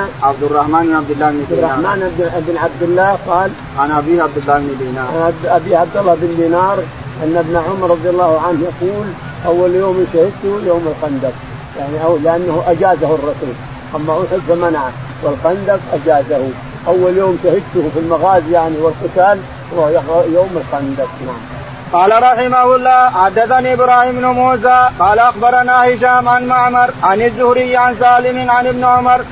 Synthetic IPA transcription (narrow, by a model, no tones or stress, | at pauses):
ʕab̚d̪ɪrːˤɑhmaːnbnʕabd̪ɪlːaːbnɪɾːˤɑːmaːnbɪbnʕab̚d̪ɪlːaːhqɑːl | ʔanʔabiːʕabd̪ɪlːaːhbnɪd̪iːnaːɾʔabiːʕab̚d̪ɑlːɑbɪnd̪iːnɑːɾˤ | ʔanːabnaʕʊmɑɾˤɑðˤjalˤːɑːhʕanhjaquːl | ʔawːaljoːmʃahɪd̪̚t̪ʊjoːmɪlxand̪af | jaʕniʔalɪʔanːahʔad͡ʒaːzahʊrˤːɑsuːl | ʔamːaʔʊħʊd̪famanʕa | wɪlxand̪abʔad͡ʒaːzahu | ʔawːaljoːmʃahɪd̪̚t̪ʊhfilmaɣaːzjaʕniwɪlqɪt̪aːl | hwajjoːmɪlxand̪afnaʕam | qɑːlaɾˤɑħɪmahʊlˤːɑːħad̪ːaθaniːʔɪbɾaːhiːmnʊmuːzaːqɑːlaʔaxbɑɾˤɑnaːhɪʃaːmʕanmaʕmɑɾˤʕanazːʊhɾɪjːʕans̬aːlɪmɪnʕanɪbnʕʊmɑɾˤ